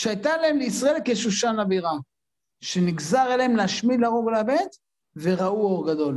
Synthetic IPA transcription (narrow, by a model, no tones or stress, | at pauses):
ʃeajt̪alaemleisʁaelkeʃuʃanaviʁa | ʃe̞niɡzaʁelehemleaʃmid̪laʁoɡlabet̪ | ve̞ʁauoʁɡad̪o̞l